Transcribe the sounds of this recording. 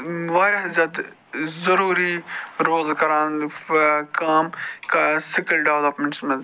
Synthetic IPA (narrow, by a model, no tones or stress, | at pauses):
ʋaːɾɦɪzɐt̪ | zɐɾuːɾiɾoːlkɐɾãːn | kaːmkasɪkəlɖeʋlɐpmẽɳʈsmẽ